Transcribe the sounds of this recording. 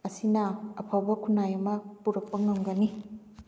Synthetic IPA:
ɐsinɐɐpʰawbɐkʰunːajɐmɐpuɾɐk̚pɐŋɐŋɡɐni

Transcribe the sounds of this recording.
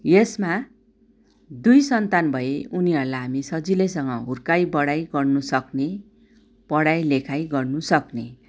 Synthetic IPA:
jesma | d̪ujsʌnt̪anbʱʌeuniɦʌɾlaɦamisʌd͡zilesʌŋɡʌɦurkajbʌɽajɡʌrnusʌkne | pʌɽajlekʰajɡʌrnusʌkne

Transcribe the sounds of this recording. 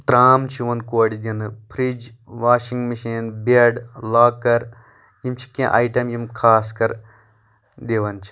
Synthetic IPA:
t̪ɾaːmt͡ʃʰiʋɐnkoːɽid̪ʲɐnɨpʰɾid͡ʒ | ʋaːʃiŋɡmiʃiːnbeɖlaːkːɐɾ | jimt͡ʃʰi̥kẽʔa̰ːjʈɐmjimkʰaːskɐɾ | d̪eːʋɐnt͡ʃʰi̥

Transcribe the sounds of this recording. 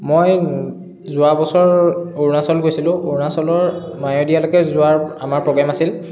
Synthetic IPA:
moj | zʊabɔsɔɹoɹnasɔlɡojsilʊ̃oɹnasɔlɔɹ | majɔdijalokɛzʊaɹamaɹpɹɔɡɹamasil

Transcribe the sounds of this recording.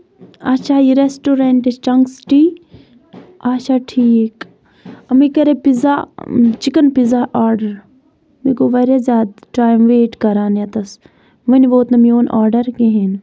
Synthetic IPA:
aːt͡ʃʰaːiɾesʈoɾeɳʈest͡ʃɐŋksʈiː | aːt͡ʃʰaːʈʰiːk | ɐmikɐɾepizat͡ʃikɐnpizaʔaːɾɖɐɾ | mikoʋɐɾʲjazʲjaːd̪ʈɾaːjmʋeːʈkɐɾaːnjɐt̪ɐs | ʋɐnʋoːt̪nɐmioːnaːɾɖɐɾkeɦen

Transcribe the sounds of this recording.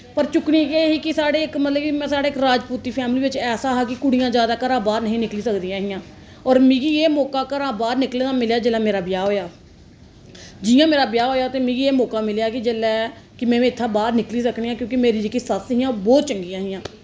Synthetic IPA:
pəɾt͡ʃʊknĩːkeɦiːkɪsaːɽeːɪkmət̪ləbkimɛ̃ːsaːɽeːɪkɾaːd͡ʒpuːt̪iːpʰɛːmliːʋɪt͡ʃɛːsaːɦaːkɪkʊɽijãːd͡ʒjaːd̪aːkəɾãːbaːɾnəɦĩːnɪkliːsəkd̪ijãːɦɪjãː | ɔːɾmĩːɡiːeːmɔːkaːkəɾãːbaːɾnɪkleːnãːmɪljaːd͡ʒelaːmeːɾaːbɪjaːɦoːjaː | d͡ʒɪjãːmeːɾaːbjaːɦoːjaːt̪eːmĩːɡiːeːmɔːkaːmɪljaːkɪd͡ʒeːlɛː | kɪmɛ̃ːɪt̪ʰːãːbaːɾnɪkliːsəkʰɳiːãːkjõːkɪmeːɾiːd͡ʒekisəsɦĩːãːbɔːt̪̚t͡ʃəŋɡiːãːɦɪjãː

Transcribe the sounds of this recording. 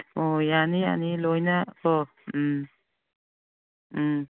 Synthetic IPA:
ɔjanija̰nilojnaɔ

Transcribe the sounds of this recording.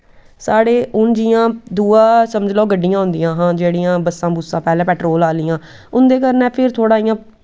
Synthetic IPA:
saːɽeːʔʊnd͡ʒijãːd̪uːaːsəməd͡ʒlɔːɡəɖːijãːɦʊ̃nd̪ɪjãːɦãːd͡ʒeːɽiːãːbəsːãːbʊsːãːpɛːlɛ̃ːpɛːʈɾoːlaːliːãː | ʊnd̪eːkəɾnɛːpʰɪɾt̪ʰoːɽaːijãː

